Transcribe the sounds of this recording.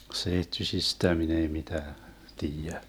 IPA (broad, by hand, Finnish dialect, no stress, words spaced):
seitːysistæ min ei mitæː tiːjæ